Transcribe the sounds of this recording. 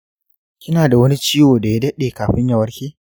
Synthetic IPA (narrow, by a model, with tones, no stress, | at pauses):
kʲɪ˦naː˨da˨wɐ˦ni˦t͡ʃiː˦woː˨da˨ja˦dɐ˦ɗeː˨kaː˨ɸɪ˦ɲjɐ˨wɐ˦ɽkʲeː˦